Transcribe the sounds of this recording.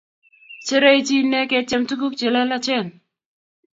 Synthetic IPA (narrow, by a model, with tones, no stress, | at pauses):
t͡ʃe˦ɾe˦jt͡ʃi˦nɛ˦kɛ˧t͡ʃɛ˦mtu˦k̬u˦k̚t͡ʃe˨lɛ˦la˦t͡ʃɛ˦˨n